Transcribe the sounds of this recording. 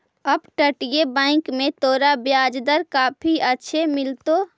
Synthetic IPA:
əbʈəʈijebãːɪ̃kmẽt̪oːɾabjaːd͡ʒd̪əɾkaːpʰiətːʃʰemɪlt̪o

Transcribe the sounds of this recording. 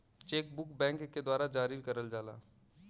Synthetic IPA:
t͡ʃeːkbʊkbɛ̃ːŋkːed̪waːɾad͡ʒaːɾɪɾkəɾəld͡ʒaːla̰ː

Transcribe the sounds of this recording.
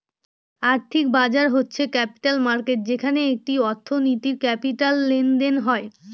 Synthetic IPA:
aɾt̪ʰik̚bad͡ʑaɾɦotːɕʰekɛpi̥ʈalmaɾkeʈ̚d͡ʑekʰaneek̚ʈiɔɾt̪ʰːonit̪iɾkɛpiʈalːenɖ̪enɦɔe

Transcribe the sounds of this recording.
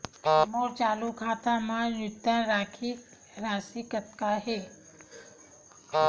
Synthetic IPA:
moɾt͡ʃaːlukʰaːt̪amãjʊt̪ːəɾaːkʰi | ɾaːsikət̪kaɦe

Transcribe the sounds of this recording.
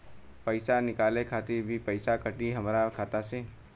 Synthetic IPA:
pəɪsanɪkaːlekʰaːt̪ibʱipəɪsakəʈiɦɐmɾakʰaːt̪ase

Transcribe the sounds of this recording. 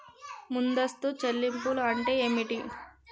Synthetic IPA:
mund̪ɐst̪ut͡ʃɐlːimpuluɐɳʈe̞eːmiʈi

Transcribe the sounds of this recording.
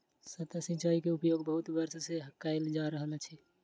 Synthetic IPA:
sət̪asĩt͡ʃaikeupjoɡbəɦut̪bəɾsseɦəkːaeld͡ʒaɾəɦəlt͡ʃʰɛ

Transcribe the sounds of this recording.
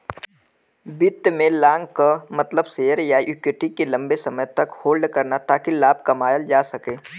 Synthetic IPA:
bɪt̪ːmẽlãːŋɡkamɐt̪ləbseːəɾjajʊkɪʈikelɐ̃mbesɐməjt̪ɐkhoːlɖkɐɾnat̪aːkilaːb̚kɐmaːjəld͡ʒaːsɐkẽː

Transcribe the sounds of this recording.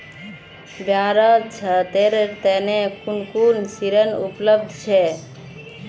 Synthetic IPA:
bjaɾət͡ʃʰət̪eɾt̪ɛnekʰunkunsiɾənupləbd̪ʱt͡ʃʰɛ

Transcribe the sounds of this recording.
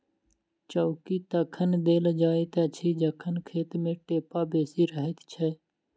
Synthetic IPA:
t͡ʃəʊkiːt̪əkʰənd̪eːld͡ʒaːiːt̪ət͡ʃʰiːd͡ʒəkʰənkʰeːt̪mẽːʈeːpaːbeːsiːɾəɦɪt̪ʰt͡ʃʰɛː

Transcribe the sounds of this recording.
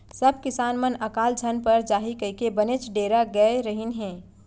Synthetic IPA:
səb̚ʱkɪsaːnmənəkaːld͡ʒʱənpəɾd͡ʒaːɦikəkebənet͡ʃɖeːɾaɡəeɾəɦinɦɛ̃ː

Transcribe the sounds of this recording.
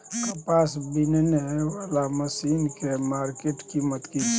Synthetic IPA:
kəpasbinneʋalaməsinkemaɾkeʈkimət̪kit͡ʃ

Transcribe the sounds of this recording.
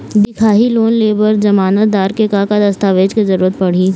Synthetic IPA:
d̪ɪkʰaːɦiloːnleːbəɾd͡ʒɐmaːnət̪̚d̪aːɾkekaːkad̪ɐst̪aːʋeːd͡ʒkezɐɾuːɾət̪̚pɐɽ̤iː

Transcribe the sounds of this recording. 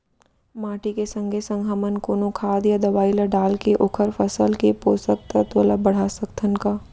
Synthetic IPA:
maːʈikesə̃ŋɡʱesə̃ŋɡʱamənkoːnõkʰaːd̪jad̪ɐʋaːiləɖaːlkeʔokʰəɾpʰəsəlkepoːsək̚t̪ət̪ələbəɽ̤asəkt̪ʰənkaː

